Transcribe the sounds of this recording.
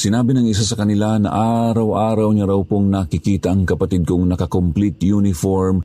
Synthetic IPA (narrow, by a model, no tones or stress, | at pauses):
sɪnaːbɪnɐŋɪs̬asɐkɐnɪlanɐ̰ʔaːɾɐwʔaːɾɐwɲɐɾawpoŋnakɪkiːt̪ɐʔɐŋkɐpɐt̪id̪̚koŋnɐkɐkomplit̪junɪfoɹm